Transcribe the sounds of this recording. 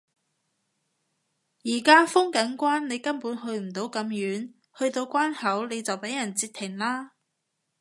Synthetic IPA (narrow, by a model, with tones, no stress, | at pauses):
jiː˨˩kaː˥fʊ˥ŋkɐ˨˥nkʷwaː˥nne˨˧jkɐ˥npuː˨˥nɦɵ˧ɥm̩˨˩t̪o˨˥wkɐ˨˧˥mjyː˨˥n | hɵ˧ɥt̪o˧wkʷaː˥nhɐ˨˥wne˨˧jt͡sɐ˨wpe˨˥jɐ˨˩nt͡siː˧t̪ʰːɪ˨˩ŋlaː˥